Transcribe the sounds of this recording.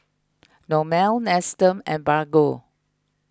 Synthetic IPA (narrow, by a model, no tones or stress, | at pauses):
nɔmɛlnɛstə̃mɛ̃nbaɡo